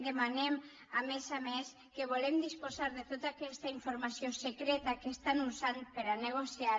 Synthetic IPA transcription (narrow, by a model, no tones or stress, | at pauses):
d̪emanem | amesames | keβ̞olemd̪ispozaɾðet̪ot̪akɛst̪aiɱfoɾmasiosekɾɛt̪akest̪anuzanpeɾaneɣ̞osja